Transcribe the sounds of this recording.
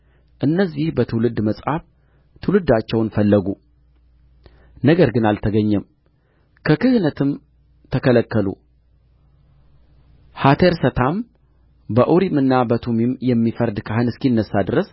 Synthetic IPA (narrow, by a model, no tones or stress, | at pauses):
ʔɨnːəzːihbət̪ʰɨwlɨd̪ːməsʼhaf | t̪ʰɨlɨd̪ːat͡ʃːɛwnfəlːəɡu | nəɡəɾɡɨnalt̪ʰəɡəɲːɛm | kʰəkɨhɨnət̪ʰɨm | t̪ʰəkələkːəlṵ | hat̪ʰeɾsət̪ʰam | bəʔuɾimɨnːabət̪ʰumimjɛmːifəɾd̪kʰahɨnɨskinːəsːad̪ɨɾəs